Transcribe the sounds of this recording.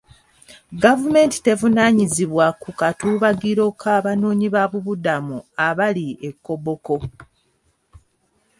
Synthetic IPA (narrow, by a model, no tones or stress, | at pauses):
ɡavume̞nti̥te̞vunaɲiziβwakukatuːβaɡiɾo̞kʰaːβanoːɲiβaβuβudamuaβaliekːo̞bo̞ko̞